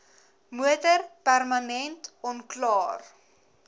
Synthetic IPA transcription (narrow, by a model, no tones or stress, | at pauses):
muətərpærmɐnɛntɔnklɑːr